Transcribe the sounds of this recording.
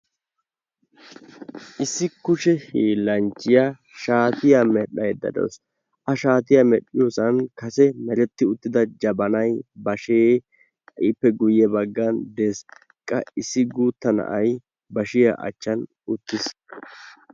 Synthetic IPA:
ʔɪsːɪkʊʃɛhiːlɐnt͡ʃːɪja | ʃaːt̪ɪjamɛᶑɐjd̪ɐ̰d̪o̰ws | ʔɐʃaːt̪ɪjamɛɗɪjosɐnkɐsɛmɛɾɛt̪ːɪʊt̪ːɪd̪ɐd͡ʒɐbɐnɐjbɐʃeː | ʔɪpːɛɡʊjɛbɐɡːɐnd̪eːs | kʼːɐ̰ɪsːɪɡuːt̪ːɐnɐ̰ʔɐj | bɐʃɪja̰ʔɐ̰t͡ʃːɐn | ʊt̪ːɪs

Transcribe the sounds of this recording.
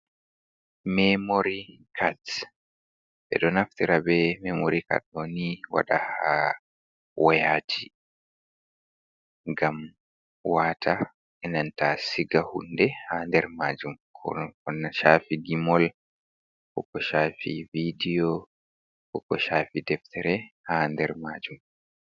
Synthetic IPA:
mɛmoɾikʰat | ʔɛ̰ɗɔnaftiɾabɛmɛmoɾika̰t̚ɗɔniwa̰ɗa̰ha | wʔɔjaːtʰi | ŋɡam | waːtʰa | ʔɛnantasiɡahundɛhandɛɾmaːd͡ʒumkʰɔnːaʃaːfiɡimɔl | kɔkɔʃaːfividijɔ | kɔkɔʃaːfidɛftʰɛɾɛhandɛɾmaːd͡ʒum

